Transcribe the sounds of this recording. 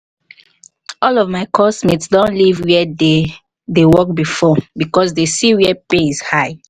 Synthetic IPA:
ɔlɔvmaɪkʰɔsmitsdõnlivwɛde | dewɔk̚bifɔbikɔsdesiwɛpeizhaɪ

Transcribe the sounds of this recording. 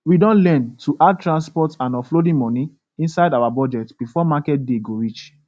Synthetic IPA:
widɔ̃nlɛ̃ntʰuʔad̚tɹãnspɔtãnɔflodĩmɔ̃ni | ĩnsaɪdawabɔd͡ʒɛtb̥ifɔmakɛt̚deɡoɹit͡ʃ

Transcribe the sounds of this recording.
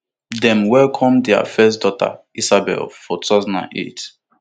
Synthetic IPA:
dɛ̃mwɛlkʰɔ̃mdɛa̰fɛs̬dɔta̰ | isabɛ̰lfɔtuaʊzɔ̃nã̰nḛt

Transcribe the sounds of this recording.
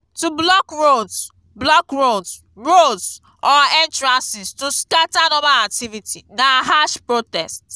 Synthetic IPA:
tublɔkɹods | blɔkɹods | ɹods | ɔɛ̃ntɹãnsistuskatanɔbaak̚tivitinaɦaʃpɹotɛst

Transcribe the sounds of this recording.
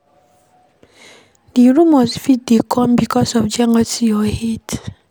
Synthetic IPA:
diɾumɔsfit̚dekʰɔmbikɔsɔfd͡ʒɛŋɔtijɔhet

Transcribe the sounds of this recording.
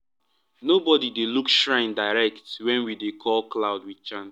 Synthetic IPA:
nobɔdidelukʃɹãɪ̃ndaɪɹɛktwɛ̃nwidekʰɔlklaʊdwit͡ʃãn

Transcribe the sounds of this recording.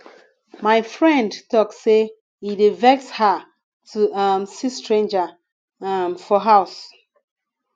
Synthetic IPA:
maɪfɹɛ̃ndtɔkːe | idivɛksha | tʰuamsistʰɹẽnd͡ʒə | mfɔɦaʊs

